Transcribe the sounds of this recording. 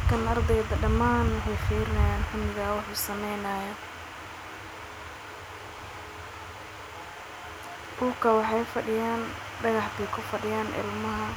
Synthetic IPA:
kʰɐnɐrd̪ɛjd̪ɐɖɐmaːnwɑħɑjfiːɾɪnɐjaːnħʊnɪɣɐwɑħuːsɐmɛjnɐːjɔ | bʊːkʰɐwɑħɑjfɐɖɪjaːn | ɖɐɣɑħt̪ɛjkʰʊfɐɖɪjaːnʔɪ̰lmɐɦɐ

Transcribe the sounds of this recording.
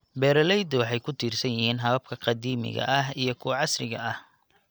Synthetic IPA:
bɛːɾɐlɛjd̪ɔwɑħɑjkʰʊt̪ʰiːrsɐnjɪhiːnɦɐβɐb̚kʰɐqɑd̪iːmɪ̰ɣɐ̰ʔɐɦijɞkʰʊʕɑsrɪɣɐʔɐh

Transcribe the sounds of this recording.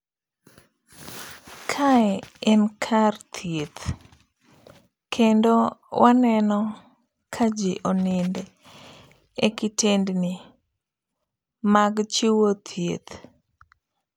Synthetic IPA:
kʰaɛɛnkʰart̪ʰjet̪ | kʰendowʔanɛnɔ | kʰad͡ʒeʔonɪnd | ekɪtendnɪ | maɡt͡ʃiwot̪ʰjḛt̪

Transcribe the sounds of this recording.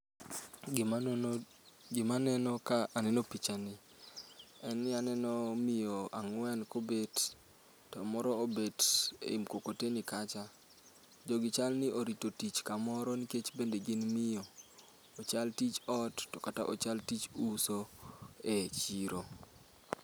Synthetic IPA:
ɡɪmanɛnɔkaanɛnopit͡ʃanɪ | ɛnɪanɛnɔmɪjɔaŋwɛnkobed | tɔmɔɾɔobedḛimkokotenikat͡ʃa | d͡ʒɔɡɪt͡ʃalnɪʔoɾitotit͡ʃkamɔɾɔniket͡ʃbendeɡɪnmɪjɔː | t͡ʃaltit͡ʃɔtːɔkata̰ʔo̰t͡ʃaltit͡ʃusoet͡ʃiɾo

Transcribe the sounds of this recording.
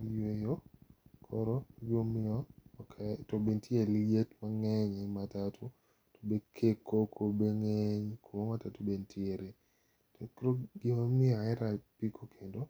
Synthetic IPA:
jejokʰɔɾɔd͡ʒomɪɔkʰɛtobentʰieliɡetmaŋɛɲɛmatatʰu | to̥bekʰekokʰobeŋeɲkomamatatubentʰɪeɾe | tokɾoɡɪmamɪaɛɾapikʰokʰendo

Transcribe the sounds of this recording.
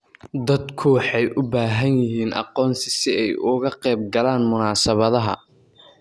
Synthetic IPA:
d̪ɐd̪kʰʊwɑħɑjʔʊbaːɦɐnjɪɦiːnʔɑ̰qɔːnsɪsɪɛjʊɣɐqɛjb̚ɡɐlaːnmʊnaːsɐβɐðɐɦɐ̰

